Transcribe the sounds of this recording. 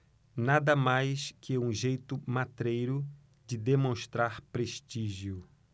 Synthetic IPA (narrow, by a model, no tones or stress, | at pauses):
nad̪ɐmajskɪũʒejt̪ʊmat̪ɾejɾʊ | d͡ʒɪd̪emõst̪ɾaɾpɾeʃt̪iʒjʊ